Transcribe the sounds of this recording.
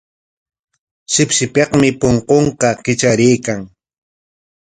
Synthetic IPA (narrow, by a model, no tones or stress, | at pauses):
sɪpʃɪpeqmɪpoɴqoɴqɑkɪt͡ʃaɾɪjkaŋ